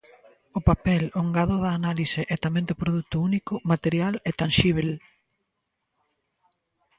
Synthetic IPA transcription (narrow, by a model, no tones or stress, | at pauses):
ʊpapɛloŋɡaðʊðaːnaliseʔɛt̪amẽnd̪ʊpɾoðut̪ʊunikʊmat̪eɾjalɛt̪anʃiβ̞el